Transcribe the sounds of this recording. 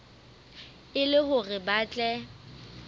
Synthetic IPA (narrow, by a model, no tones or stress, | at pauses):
ɪlɪhʊrɪbaːt͡ɬʼɛ